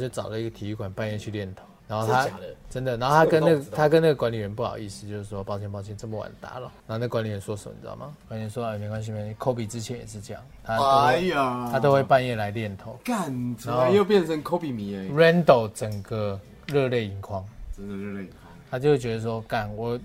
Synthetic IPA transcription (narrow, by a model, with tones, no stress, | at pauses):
t͡ɕjo˥˩ʊt͡sɑ˨˩ʊlə˦i˦˥ɡə˨˩t̪ʰi˨˥i˥˧kwa˨˩npa˥˧njɛ˥˧t͡ɕʰy˥˧ljɛ˥˨˩nt̪ʰo˨˧˦ʊna˧˦nxo˥˩ʊt̪ʰa˦ʈ͡ʂə˦˥nd̪ə˨na˧˦no˥˨t̪ʰa˥ə˦nn˥ɡt̪ʰa˦˥kə˧˦na˥˩ɡə˩kwa˦˥nli˨˩ɥɛ˧˦npu˥˩xɑ̰˨˩ʊi˥˩sɹ̩˧˥t͡ɕjo˥˧ʊʂɻ̩˥˩ʂwɔ˦˧pɑ˥ʊt͡ɕʰjɛ˥˧npɑ˥˧ʊt͡ɕʰjɛ˥˧nt͡sə˥˩mə˨wa̰˨˩nt̪a̰˨˦lə˨na˧˦ho˥˧˨na˥ɡəkwa˧˦nli˨ɥɛ˧˦nswɔ˥ʂə˨˩mə̰˨˩t͡ɕma̰˨˩kwa˥˦n˧˩nswɔ˥˦˨me˨˩ŋkwa˦nsɕi˧m˧kʰo˥ʊpi˨t͡sɻ̩˦t͡ɕʰɛ˨˦njɛ˨˩ʂɻ̩˥˧ʈ͡ʂə˥˦jɑ̰˥˨˩ŋt̪ʰa˦ | t̪ʰa˦˥t̪o˥ʊxwe˥˩ɪpa˥˧njɛ˥˨la˧˦ɪljɛ˥˨nt̪ʰo˨˦ʊka˨˩nʰna˦nxo˥˦jo˥˨ʊpjɛ˥˨nt͡sʰə˨˦ŋkʰo˥˦ʊpi˨˩mi˧˦e˧˦ɹɛ˦˥nt̪o˨˩ʊt͡sə˨˩ŋɡə˨ | ɻə˥˧le˥˩ɪi˧˥ŋkʰwɑ˦ŋ˦˧ | t̪ʰa˥t͡ɕjxwe˥˩t͡ɕɥɛ˧d̪ə˧˩ʂwɔ˦ka˨˩nwɔ˨˩